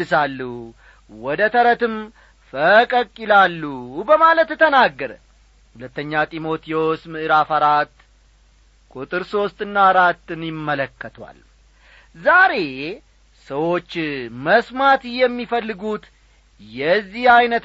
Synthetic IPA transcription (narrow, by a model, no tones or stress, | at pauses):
ɨsalːu | wɔd̪ət̪ʰəɾət̪ɨm | fəkʼəkʼːɪlalːubəmalət̪ːɨt̪ʰənaɡːəɾə | hulət̪ːəɲːat̪ʼimo̞t̪ʰijo̞smɨʔɨɾafaɾat̪ː | kʼut̪ʼɨɾso̞st̪ʼɨnːaːɾat̪ːɨnjɪmːələkːət̪ʰwa̰l | zaɾe̞ | səwo̞t͡ʃːməsmat̪jɛmːifəlːɨɡut̪ | jɛzːihajnət̪